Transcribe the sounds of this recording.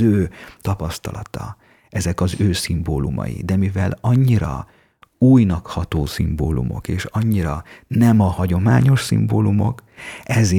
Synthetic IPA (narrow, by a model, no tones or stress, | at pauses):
øːt̪ɒpɒst̪ɒlɒt̪ɒ | ɛzɛkɒzøːsimboːlumɒ̰jḭd̪ɛmivɛlɒɲːiɾɒ̰ | uːjnɒkhɒt̪oːsimboːlṵmo̞̰keːʃɒɲːiɾɒnɛmɒhɒɟo̞maːɲo̞ʃsḭmboːlumo̞̰kɛze